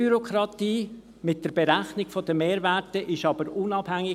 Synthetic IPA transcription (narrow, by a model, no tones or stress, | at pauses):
yɾokʰɾɑtiː | mɪt̚d̥əɾb̥eɾæχnɪɡ̥fɔd̥̪əmeːɾvætəʔɪʃɑbəɾʊnɑb̥hæŋːɪ